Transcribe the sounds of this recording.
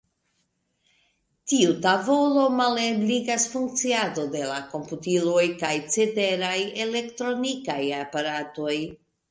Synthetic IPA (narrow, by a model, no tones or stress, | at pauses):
tiutavo̞lo̞malebliɡasfuŋk̚t͡siado̞de̞lako̞mputilojkajt͡sete̞ɾaje̞le̞ktɾo̞nikajapaɾato̞j